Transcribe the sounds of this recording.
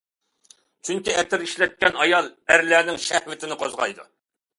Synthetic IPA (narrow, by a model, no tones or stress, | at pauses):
t͡ʃʰyŋkʲiɛt̪ɪɾiʃlɛt̪̚kʲɛnɑjɑlˠæɾlæːnɪŋʃæhwɪt̪ʰɪnɪqʰozʁɑ̰jd̪ṵ